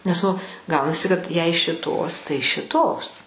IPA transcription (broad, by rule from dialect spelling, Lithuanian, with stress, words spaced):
nʲɛs ˈnʊ ˈɡɐʊnɐsʲɪ kɐt jɛɪ ʃʲɪˈtoːs tɐɪ ʃʲɪˈtoːs